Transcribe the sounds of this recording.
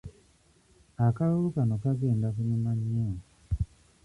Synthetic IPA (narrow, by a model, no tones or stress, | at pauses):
akalolukanokaɡe̞ːndakumumaɲːan